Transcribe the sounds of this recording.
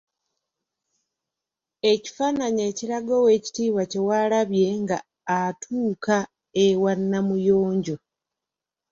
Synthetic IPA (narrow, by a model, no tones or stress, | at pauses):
e̞ci̥fanaɲe̞ːciɾaɡowe̞ci̥tiːwace̞walaβje̞ŋɡaː | tʰuːka | ewanːamujoːɲɟo̞